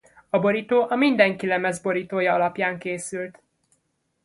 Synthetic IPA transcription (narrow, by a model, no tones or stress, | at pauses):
ɒbo̞ɾit̪oːʔɒmind̪ɛŋkilɛmɛzbo̞ɾit̪oːjɒɒlɒpjaːŋkeːsylt̪